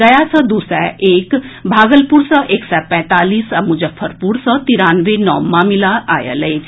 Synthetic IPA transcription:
əjasʰəd̪usɛ̰eːkbʱaːɡəlpuɾsəʔeːksapɛ̃ːt̪aːliːsamũd͡ʑəpʰːəɾpuːɾsət̪iɾanʋenɔ̰ːmːamilaʔajə̰ləj

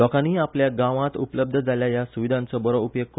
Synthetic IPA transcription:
ɔkaniːapljaɡãʋãt̪ṵpələb̚d̪ʱəd͡zaljajasuʋid̪ʱãnt͡sɔbəɾoupjoɡ̚k

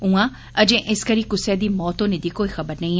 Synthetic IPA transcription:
ũã | ɐd͡ʒẽʔɪskɐɾikʊsjad̪iːmɔːt̪õned̪ikoːixɐbəɾnɐĩ

